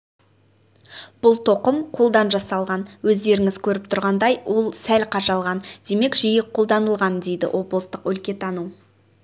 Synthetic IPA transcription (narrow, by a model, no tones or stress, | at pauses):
b̥ʊlˠt̪ʰo̞qəmqʰo̞lˠd̪ɑnʒɑsɑlˠʁɑnwɵzd̪e̞ɾɪŋɪz̥kʲʰɵɾɪp̚t̪ʰʊɾʁɑnd̪ɑjwo̞lˠsælqʰɑʒɑlˠʁɑnd̪̥e̞me̞kʒijɪqʰːo̞lˠd̪ɑnəlˠʁɑnd̪e̞jd̪ɪ̰wʔo̞blˠəst̪əqɵlkʲe̞t̪ʰɑnu